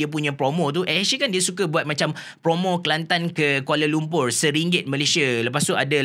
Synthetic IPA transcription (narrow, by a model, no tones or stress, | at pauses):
iəp̬uɲãpɾomɔ̃t̪̬uʔɛsikandiəsukabuat̪̚mãt͡ʃam | pɾomõkəlant̪ankəkualəlumpʊrsəɾiŋɡɪt̪̚mə̃lesialəpast̪uada